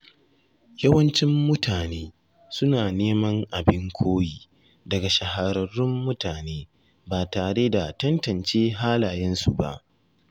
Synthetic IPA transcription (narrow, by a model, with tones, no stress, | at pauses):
jɐ˦wɐ˦nt͡ʃɪ˦mːʊ˦tʰaː˨neː˦ | sʊ˦naː˨neː˦mɐ˦ŋʔa˨bɪ˦ŋkʷʰoː˦jiː˦˨ | dɐ˨ɡa˨ʃɐ˨ha˨ɾɐ˨rːɪ˦mːʊ˦taː˨neː˦ | baː˨taː˨ɽe˦da˨tɐ˦ntɐ˨nt͡ʃeː˦ɦaː˦laː˨jɛ˦nsu˨ba̰˨ʔ